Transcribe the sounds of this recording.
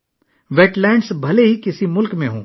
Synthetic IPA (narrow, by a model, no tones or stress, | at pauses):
ʋɛːʈlɛ̃ːɳɖsbʱɐleɦikɪsimʊlkmẽɦõ̰ː